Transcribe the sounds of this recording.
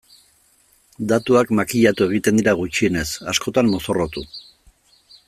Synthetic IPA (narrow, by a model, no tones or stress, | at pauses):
d̪at̪uakmakiʎat̪ue̞ɣ̞it̪e̞nd̪iɾaɣ̞ut͡ʃie̞ne̞sa̰sko̞t̪ammo̞so̞rot̪u